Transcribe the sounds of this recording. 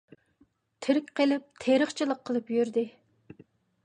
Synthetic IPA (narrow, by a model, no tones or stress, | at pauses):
t̪ʰɪɾɪkʲqʰəlɪp̚t̪ʰeɾəχt͡ʃʰɨlˠəqʰːəlˠɨpjyɾd̪ɪ